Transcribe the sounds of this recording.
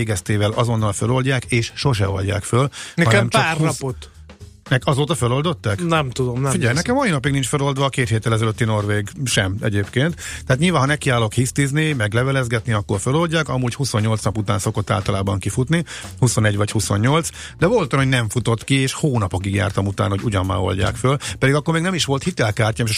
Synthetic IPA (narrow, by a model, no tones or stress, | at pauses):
eːɡɛst̪eːvɛlʔɒzo̞nːɒlfølo̞lɟaːkeːʃʃo̞ʃ̬ɛ̰o̞lɟa̰ːkfølnɛɒnɛmt͡ʃɒaːrnɒpot̪ | nɛkɒzoːt̪ɒfølo̞ld̪o̞t̪ːɛknɛmt̪ud̪omniɟɛjnɛkɛmɒinɒpiɡnint͡ʃfølo̞ld̪ʋɒːkeːt̪heːt̪ːɛlɛzɛløt̪ːino̞rveːɡʃɛmɛ̰ɟeːpkeːnt̪t̪ɛaːt̪ɲilvaːnɦɒnɛkiaːlo̞khist̪iznimɛɡlɛvɛlɛzɡɛt̪niɒkːorfølo̞lʲɟaːkɒmuːɟhuso̞ɲːo̞lt̪snɒput̪aːnso̞ko̞t̪ːa̰ːlt̪ɒlaːbɒŋkifut̪nihuso̞nɛɟʋɒchuso̞ɲːo̞lt̪s | d̪ɛvo̞lt̪jnoɟnɛɱfut̪o̞t̪kieːʃhoːnɒpo̞kiɡja̰ːrt̪ɒmut̪aːnhouɟɒmːa̰ːo̞̰lɟa̰ːkfølpɛd̪iɡɒkːormeːɡnɛmiʃʋo̞lt̪hit̪ɛlkaːrcaːmeʃ